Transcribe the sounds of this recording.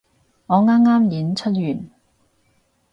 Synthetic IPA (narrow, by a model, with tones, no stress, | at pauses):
ŋɔː˨˧ŋaː˥mŋaː˥mjiː˨˥nt͡ʃʰɵ˥t̚jyː˨˩n